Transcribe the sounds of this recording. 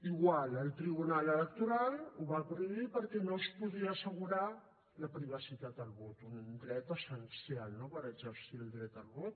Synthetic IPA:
iɣwaləlˠt̪ɾiβunalələk̚t̪uɾaluβapɾuipəɾkɛnospuðiəːsəɣuɾa | ləpɾiβ̞əsit̪at̪̚əlβot̪und̪ɾɛt̪əsənsjalnopəɾəɡzəɾsiəlˠd̪ɾɛt̪əlβot̪

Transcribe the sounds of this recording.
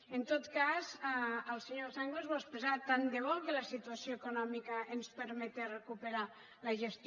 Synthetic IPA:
ənt̪ot̪kazaəlˠseɲosaŋɡlezβɔspezat̪and̪eβɔlˠkələsit̪uəsioekunɔmikəːnspəɾmɛt̪erekupeɾa | ləʒest̪

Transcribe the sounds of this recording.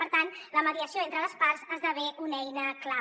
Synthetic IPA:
pəɾt̪anləməðiəsioent̪ɾələspaɾzazd̪əβɛʔunɛjnəkla

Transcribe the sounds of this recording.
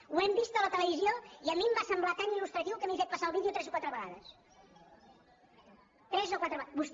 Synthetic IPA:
uɛmbist̪ələt̪ələβizijoiəmimbasəmblat̪anilust̪ɾət̪iwkəmejfet̪pɐsaəlˠβiðjot̪ɾɛzokwat̪ɾəβəɣa̰ðəs | t̪ɾɛzokwat̪ɾəβbus

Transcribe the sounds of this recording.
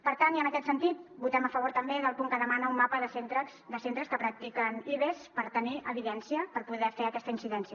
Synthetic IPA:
pəɾt̪aniənəkɛt̪sənt̪it̪̚but̪ɛməfəβoɾt̪əmbeðəlˠpuŋkəðəmanəumːapəðəsent̪ɾəsd̪əsent̪ɾəskəpɾək̚t̪ikəniβespəɾt̪əniʔəβiðɛnsiəpəɾpuðɛfeəkɛst̪əinsiðɛnsjə

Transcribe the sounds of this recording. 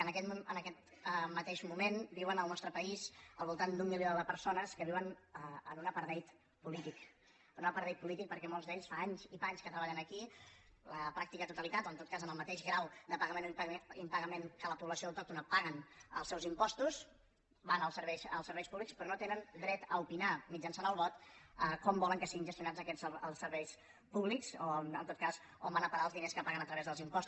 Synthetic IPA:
ənəkɛt̪ənəkɛt̪ | mət̪eʃmumenbiwənəlˠnɔst̪ɾəpəizəlˠβulˠt̪and̪umːilioðəpəɾsonəskəβiwənəənunəpəɾðɛjt̪ | pulit̪ik | ənunəpəɾðɛjt̪̚pulit̪ik̚pəɾkɛmolˠzd̪eʎsfaaɲzifaaɲskət̪ɾəβaʎənəkiləpɾak̚t̪ikət̪ut̪əlit̪at̪oənt̪ot̪̚kazənəlˠmət̪eʃɣɾawd̪əpəɣəmenimpəɣəmeŋkələpuβləsioəwˠt̪ɔk̚t̪unəpaɣənə̰lˠsɛwzimpɔst̪us | banəlˠsəɾβɛjsəlˠsəɾβɛjspuβlikspɾɔnot̪enənd̪ɾɛt̪əupinamid͡ʒənsanəlˠβɔt̪əkɔmbɔləŋkəsiɣinʒəst̪junad͡zəkɛzəlˠsːəɾβɛjs | puβliksoənt̪ot̪̚kaz | ombanəpəɣaəlˠzðineskəpaɣənət̪ɾəβɛzðəlˠzimpɔst̪u

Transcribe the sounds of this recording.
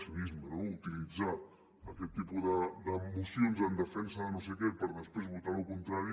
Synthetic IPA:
sunizmənout̪ilid͡zaː | kɛt̪ːipuðəd̪əmusionzənd̪əfɛnsəðənos̬ekɛpəɾðəspɾezβut̪aɾukunt̪ɾaɾi

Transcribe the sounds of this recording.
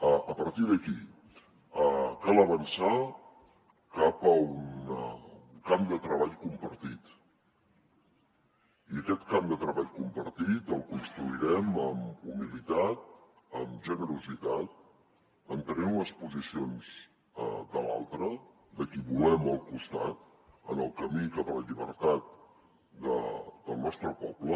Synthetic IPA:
əəpəɾt̪iðəki | əkaləβ̞ənsa | kapəun | kamd̪ət̪ɾəβaʎkumpəɾt̪it̪ | iəkɛt̪kamd̪ət̪ɾəβaʎkumpəɾt̪it̪əlˠkunst̪ɾuiɾɛməmumilit̪at̪̚ | əmʒənəɾuzit̪at̪̚ | ənt̪ənɛmləspuzisionz | əd̪əla̰lˠt̪ɾə | d̪əkiβulɛməlˠkust̪a̰t̪̚ | ənəlˠkəmikapələʎiβ̞əɾt̪at̪̚ | d̪ə̰d̪̥əlˠnɔst̪ɾəpɔplə

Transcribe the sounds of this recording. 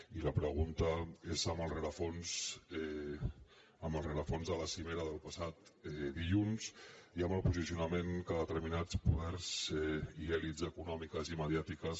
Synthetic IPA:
iləpɾəɣ̞unt̪əezəməlˠrəɾəfonsɛ | əməlˠreɾəfonzðələsimeɾəðəlˠpəsat̪ɛðiʎunziəməlˠpuzisiunəmeŋkaðət̪əɾminat͡spuðɛɾzɛiɛlizəkunɔmikəziməðjat̪ikəs

